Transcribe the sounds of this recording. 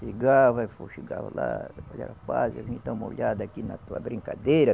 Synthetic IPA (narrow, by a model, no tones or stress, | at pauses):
iɡaβafoʃiɡaβa̰laaʎʲaɾapalaĩt̪ãmoʎʲad̪akinat̪uabɾĩŋkad̪eɾa